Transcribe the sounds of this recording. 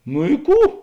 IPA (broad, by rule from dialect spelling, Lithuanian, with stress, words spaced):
nʊ ɪ ˈkuː